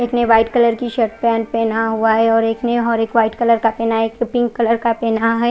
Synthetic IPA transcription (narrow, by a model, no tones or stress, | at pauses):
eːkneʋaːɪʈkɐləɾkiʃəɾʈ̪̚pɛːnpɛːnaɦuaɦɛɔːɾeːkneɔːɾeːkʋaːɪʈkɐləɾkapɛːnaɦeːkɾɪpɪ̃ŋɡkɐləɾkapɛːnaɦɛ